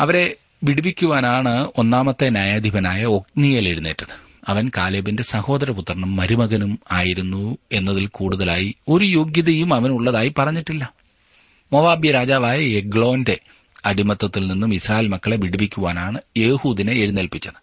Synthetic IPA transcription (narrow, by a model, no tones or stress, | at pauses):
ɐʋɐɾe̞ | ʋiɽubikʲːuʋaːnaːɳɨo̞nːaːmɐt̪ːenjaːjaːd̪ʱibɐnaːjɐo̞k̚nijɐleɽunːeːtːɐðɨ | ɐʋɐnkaːleːbinde̞sɐho̞ːd̪ɐɾɐput̪ːɐrɳɐmːɐɾumɐɣɐnumaːjiɾunːue̞nːɐðilkuːɽuðɐlaːjio̞ɾujoɡjɐðɐjumɐʋɐnuɭːɐðaːjipɐrɐɲːiʈːilːɐ | moʋaːbjɐɾaːd͡ʑaːʋaːjɐeɡɭo̞ːnde̞ | ɐɽimɐt̪ːɐt̪ːilninːumisraːjelmɐkːɐɭeʋiɽibikʲːuʋaːnaːɳɨjeːhuːðineːɾunːelpit͡ɕːɐðɨ